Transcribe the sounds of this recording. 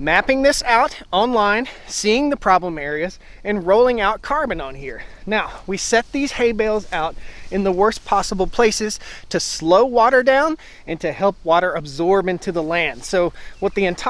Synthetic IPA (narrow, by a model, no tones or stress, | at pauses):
mæpɪ̃ŋðɪsaʊɾɑ̃nlãɪ̃nsiɪ̃ŋðɨpʰɹ̥ɑblə̃mɛɹiɨzɨ̃nɹoʊlˠɪ̃ŋaʊt̚kʰɑɹbɨ̃nə̃nhiɹnaʊwisɛt̪̚ðiz̥heɪbeɪlˠzaʊɾɨ̃nðəwɜ˞spʰɑsəbl̩ˠpʰl̥eɪsɨz̥tʰɨsloʊwɔɾə˞dãʊ̃n | ɨ̃ntʰɨhɛlˠp̚wɔɾə˞ɨbzɔɹbɪ̃ntʰʉðəlæ̃nd̥soʊwʌt̪̚ðiɨ̃ntʰ